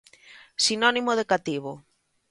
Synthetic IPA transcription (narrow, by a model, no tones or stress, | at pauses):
sinɔnimoð̞ekat̪iβo